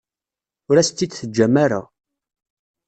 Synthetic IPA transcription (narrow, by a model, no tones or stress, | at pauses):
ʊɾæst̪ːid̪θəd͡ʒːæmaɾa̰